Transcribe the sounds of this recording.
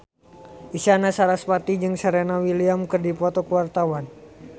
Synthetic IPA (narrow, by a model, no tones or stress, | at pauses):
ʔisanasaɾaspat̪id͡ʒɨŋsaɾenawiliamkɨrdipɔt̪ɔkəwart̪awan